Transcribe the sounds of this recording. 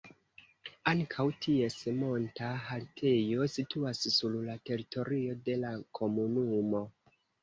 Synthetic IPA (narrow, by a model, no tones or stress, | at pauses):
aŋkʰawtie̞smo̞ntaɦaltʰe̞jo̞situassullate̞ɾitʰo̞ɾio̞de̞lakʰo̞munumo̞